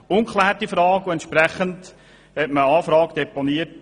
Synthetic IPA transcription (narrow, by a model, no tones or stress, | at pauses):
ʊŋkχlæːɾtifɾɑːɡuɛntʃpɾæχənd | hɛtməɑːfɾɑːɡd̥ɛponiət